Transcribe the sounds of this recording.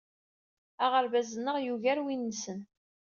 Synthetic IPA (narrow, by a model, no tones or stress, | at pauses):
aʁəɾvæzənːəʁjuʝæɾwinːəsən